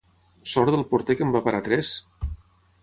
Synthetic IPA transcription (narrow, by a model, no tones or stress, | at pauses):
sɔɾðəlˠpuɾt̪ekəmbapaɾat̪ɾɛs